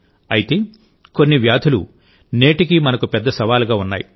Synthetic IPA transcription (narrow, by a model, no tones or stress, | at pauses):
ɐjit̪e̞ː | ko̞nːiʋjaːd̪ʰʱulṵ | ne̞ːʈik̬imɐnɐkupɛd̪ːɐsɐʋaːluɡaːunːa̰ːji